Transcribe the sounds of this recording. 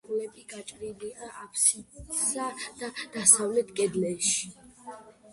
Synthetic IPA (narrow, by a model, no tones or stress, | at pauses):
ulɛbʼiɡat͡ʃʼɾiliaʔapʰsit̪sad̪̥ad̪̥asavlɛt̪ʰkʼɛd̪lɛʃi̥